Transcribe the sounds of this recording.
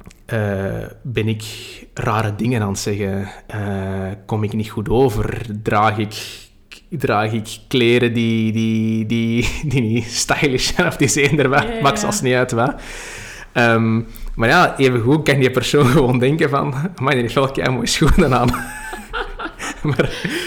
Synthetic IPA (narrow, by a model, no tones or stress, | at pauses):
əːbɛnɪkraːɾədɪŋənaːntsɛɣəəːkɔmɪknitxutoːvərdraːɣɪk | draːɣɪkːleːɾədidididinistajlɪʃɛnɔfdizeːndərʋɛmɑxsəɑ̰lˠsniœtʋɛ | əːm | maːrjaːeːvəɣukɑnəpərsoːnɣəʋoːndɛŋkəvɑ̰nmaɣdənɪfolˠka̰rmoːjəsxunənaːn | maːr